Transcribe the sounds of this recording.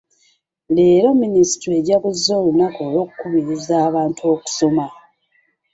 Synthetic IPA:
le̞ːɾo̞minisi̥tɾe̞ɟakuzːo̞ːlunako̞ːlo̞ːkukuβiɾizaːβaːntʰuo̞ːku̥so̞ma

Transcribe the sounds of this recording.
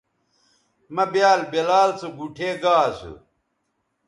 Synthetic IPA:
mɐbjaːlbelaːlt͡suɡuʈʰeːɡaːsṵ

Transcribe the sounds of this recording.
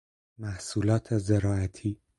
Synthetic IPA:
mæhsuːlɒːt̪ʰezeɾɒːæt̪ʰiː

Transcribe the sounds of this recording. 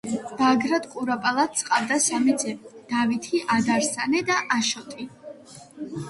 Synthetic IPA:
b̥aɡɾad̪qʼuɾapʼalˠat̪̚sʼqʼavd̪asamid̪zɛd̪̥avit̪ʰiʔad̪aɾsanɛd̪aʔaʃɔt̪ʼi

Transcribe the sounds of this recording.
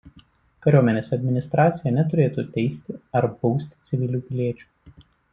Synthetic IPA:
kɐɾʲoːmʲɛnʲeːsɐd̪ʲmʲɪnʲɪst̪ɾʔɑːt̪sʲɪjɛnʲɛt̪ʊɾʲeːt̪uːt̪ʲɛɪsʲt̪ʲɪɐɾbɒʊsʲt̪ʲɪt̪sʲɪʋʲɪlʲuːpʲɪlʲiɛt͡ʃʲu̥ː

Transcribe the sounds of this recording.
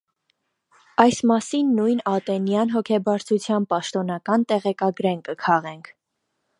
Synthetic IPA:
ɑjsmɑsinːujnɑt̪ɛnjɑnɦɔkʰɛbɑɾt͡sʰut͡sʰjɑnpɑʃt̪ɔnɑkɑnt̪ɛʁɛkɑɡɾɛŋkəkʰɑʁɛŋkʰ

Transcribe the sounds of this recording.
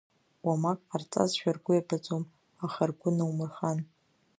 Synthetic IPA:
wamakʼart͡sʼa̰zʃʷᶣarɡʷʊjabat͡sʼom | aχarɡʷʊnɨwmɨrχan

